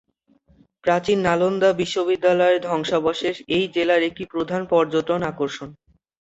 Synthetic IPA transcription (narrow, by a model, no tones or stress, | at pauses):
pɾat͡ɕinːalond̪abiʃːobid̪ːalɔeɾd̪ʱɔŋʃabɔʃeʃejd͡ʑelaɾek̚ʈipɾod̪ʱanpɔɾd͡ʑot̪ɾonakoɾʃon